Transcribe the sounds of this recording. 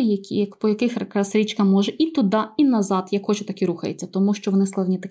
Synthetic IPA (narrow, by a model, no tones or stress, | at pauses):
jɐkʲijɐkpɔjɐkɪxkɾɐsɾʲit͡ʃkɐmɔʒɛʔit̪ʊd̪ɑinɐzɑd̪jɐkxɔt͡ʃɛt̪ɐkʲiɾuxɐjet͡sʲːɐt̪ɔmuʃt͡ʃɔʋɔnɪsklˠɐwnʲit̪ɐkʲ